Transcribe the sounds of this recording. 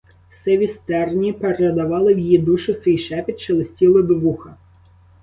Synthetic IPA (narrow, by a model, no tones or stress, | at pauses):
wsɛʋʲist̪ɛrnʲipeɾed̪ɐʋɑlˠɪwjijid̪uʃʊsʋʲijʃɛpʲit̪t͡ʃelˠɪsʲtʲilˠɪd̪ɔʋuxɐ